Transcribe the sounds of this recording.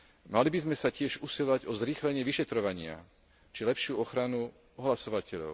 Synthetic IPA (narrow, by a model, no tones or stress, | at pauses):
malibizmɛsacɪɛʒusilaɟɔzɾiːxlɛɲɪɛʋiʃɛt̪ɾɔʋaɲɪa̰ | t͡ʃilɛpʃɪuɔxɾanu | ɔɦlasɔʋacɛʎɔ̰ʊ